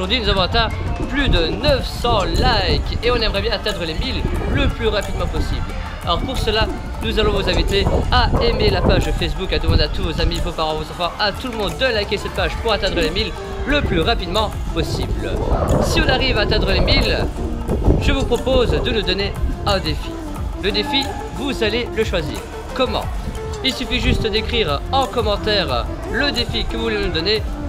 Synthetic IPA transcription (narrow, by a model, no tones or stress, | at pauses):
uʁd̪ɥinuzavɔ̃at̪ɛ̃plyd̪ənəfsɑ̃lajkeɔ̃nɛmʁɛbjɛ̃at̪ɛ̃d̪ʁəlemilːəplyʁapid̪mɑ̃pɔsibl | aɔʁpuʁsəla | nuzalɔ̃vozɛ̃vit̪eaemelapaʒfɛs̬bukad̪əmɑ̃d̪eat̪uvozamivopaʁɑ̃vozɑ̃fɑ̃ʔat̪uləmɔ̃d̪ːəlajkʲesɛt̪̚paʒpuʁat̪ɛ̃d̪ʁəlemil | ləplyʁapid̪mɑ̃pɔsiblsiɔ̃naʁivaːt̪ɛ̃d̪ʁəlemil | ʒ̥əvupχɔpozd̪ənud̪ɔneə̃d̪efi | ləd̪efi | vuzaleləʃwazḭːʁ | kɔmɑ̰̃ | ilsyfiʒyst̪d̪ekχiʁɑ̃kɔmɑ̃t̪ɛʁ | ləd̪efikəvuvulenud̪ɔne